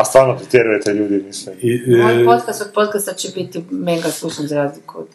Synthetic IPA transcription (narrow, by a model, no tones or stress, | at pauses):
ast̪ʋaːɾnot̪ɾot̪jeɛɾujet̪ɛʎuːd̪imislimioajpot̪kast̪od̪̚pot̪kast̪at͡ʃebit̪imeŋɡasluʃanzaɾaːzlikuod̪